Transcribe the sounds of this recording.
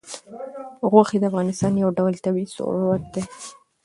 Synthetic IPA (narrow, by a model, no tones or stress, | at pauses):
ɣwaxed̪əafɣɑnɪst̪ɑnjawɖawlt̪abiisʊ̰wat̪̚d̪e